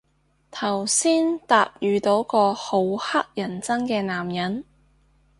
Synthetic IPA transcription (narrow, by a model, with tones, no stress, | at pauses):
t̪ʰɐ˨˩wsiː˥nt̪aː˧p̚jyː˨t̪o˨˧˥wkɔː˧ho˨˧˥whɐ˥k̚jɐ˨˩nt͡sɐ˥ŋkɛː˧naː˨˩mjɐ˨˥n